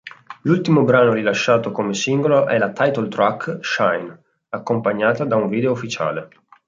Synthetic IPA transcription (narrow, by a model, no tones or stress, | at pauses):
lult̪imobɾaːnoɾilaʃːaːt̪okomesiŋɡoloʔɛlat̪ajt̪olt̪ɾakːʃajn | akːompaɲːaːt̪ad̪auɱviːd̪eoufːit͡ʃa̰ːle